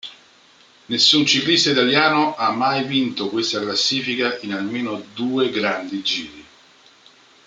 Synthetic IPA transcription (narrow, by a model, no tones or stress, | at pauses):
nesːunt͡ʃiklist̪ait̪aljaːnoʔamːajvint̪okwest̪aklasːiːfikaʔinalmeːnod̪uːeɡɾand̪id͡ʒiːɾi